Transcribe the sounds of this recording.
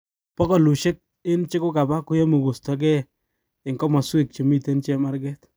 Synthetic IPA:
pɔ˦kɔ˨lu˨ʃe˦k̚ | ɪ˦nt͡ʃɪ˦kʊ˦ka˨ba˦kʊ˦je˦mu˨ɡu˨stɔ˨˦k̬ɛ˦ | ɪ˨ŋkɔ˦mɔ˨swe˦˨k̚t͡ʃe˨mi˦˨te˦nt͡ʃɛ˦ma˦ɾɡɛ˦t

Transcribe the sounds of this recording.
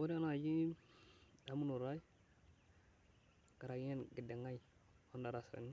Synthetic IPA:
wo˦ɾe˦na˨d͡ʒi˦ | da˦mu˦nu˨ɾa˦j | ɡ̥a˨ɾa˨ɡɲe˦nɡi˨de˨ŋa˦j | o˦nda˨ɾa˨sa̰˨ni˦

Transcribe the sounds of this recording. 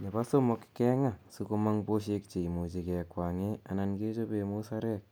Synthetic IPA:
ne˨ba˦so˦mɔ˧kkɛ˦ŋa˦˨su˦ko˧ma˦ŋpo˦ʃ̬e˧k̚t͡ʃe˨i˨mo˨t͡ʃe˨kɛ˨kwaː˨ŋe˦a˨na˧nke˦t͡ʃo˦pe˧mo˦sa˦ɾɛ˦k̚

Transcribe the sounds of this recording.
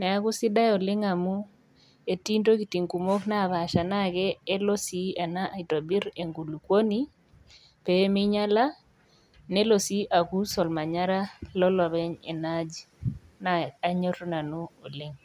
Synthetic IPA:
nɛ˨a˨ku˦sɪ˦da˦ɔ˨lɪ˦ŋa˨mu˦ | e˨ti˦nto˦ki˨ti˨ŋku˨mo˦kna˦˨βa˨ʃa˨na˦ɡɛː˦lo˦si˨a˨na˦ʔa˨i˨to˨bi˦ɾe˨ŋɡu˨lu˨kwo˦ni˦ | pe˨˦mi˦ɲa˦la˦ | nɛ˦lo˨si˦ʔa˨ku˦sɔ˨lma˨ɲa˦ɾa˦lɔ˦lɔ˨βɛ˦ɲḛ˨na˦d͡ʒ | na˨a˨ɲo˦tɔ˦na˨nu˦o˨lɪ˦ŋ

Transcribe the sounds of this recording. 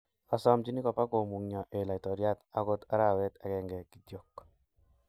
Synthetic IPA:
a˨sɔ˦mt͡ʃi˦ni˦kɔ˨pa˦ko˨mu˨ŋɲɔ˨ʔe˨la˨i˨tɔ˨ɾja˦ta˦ko˦ta˦ɾa˨wɛ˦ta˨kɛŋɡɛ˨ki˨djo˨k

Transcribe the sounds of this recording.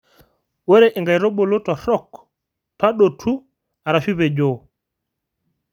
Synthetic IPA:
wɛ˦ɾɛʔɛ˨ŋɡa˨jɾɔ˦bɔ˨lɔ˦ta˨ɾɔ˦k | ta˦ɗo˨tʰu˦ | a˨ɾa˨fi˦βɛ˨d͡ʒɔ˨

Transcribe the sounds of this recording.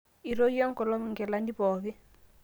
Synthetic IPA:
i˨ɾo˦jɔ˦ŋkɔ˨lɔ˦m˨ŋɡɛ˨la˦ndi˦pɔː˨ki˦

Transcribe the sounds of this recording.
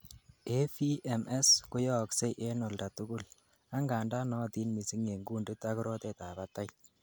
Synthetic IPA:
e˦fi˦ʔɛ˨mɛ˦skʊ˦jɔː˦kse˦ʔe˦nɔ˨lda˨tu˦ku˦l | a˦ŋɡaː˨nda˦nɔ˦ti˦nmi˨si˦ŋe˨ŋɡu˦ndɪ˦ta˦ku˦ɾɔ˦te˦ta˨ba˦ta˦j

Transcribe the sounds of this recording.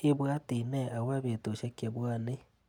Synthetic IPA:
i˦βwa˦ti˨nɛ˦a˨wa˦βe˨to˨ʃa˦ke˨βwa˦ne˦

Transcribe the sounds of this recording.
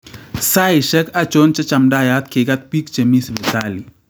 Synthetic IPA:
sa˦i˨ʃə˦ka˦t͡ʃo˦nt͡ʃə˦t͡ʃa˨mɖa˦˨ja˦t̪̚ke˨ɡa˦t̪̚pi˦kt͡ʃə˨misbetali˨

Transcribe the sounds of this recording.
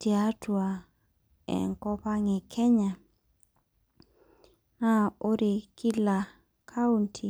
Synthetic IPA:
ti˨a˦twa˨ | ɛ̰˨ŋkɔ˦pa˦ŋɪ˨kʰɛ˦ɲa˨ | ŋa˦o˦ɾe˨ki˦la˨ | kʰa˦u˦ntʰi˨

